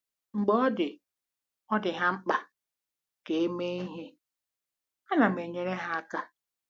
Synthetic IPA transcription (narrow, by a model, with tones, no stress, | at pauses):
ŋ͡m̩˨ɡ͡bɔ˦ɔ˦dɪ˨ | ɔ˦dɪ˨ɦa˦ŋ͡m̩˦k͡pa˨ | ke˨e˦me˦i˦ɦe˦ | a˦na˨m̩e˨ɲe˦ɾe˦ɦa˦a˦ka˦